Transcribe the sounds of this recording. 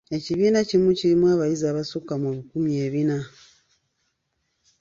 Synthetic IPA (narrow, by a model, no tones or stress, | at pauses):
eciβinacimuciɾimwaβajizaβasukamoβikumieβina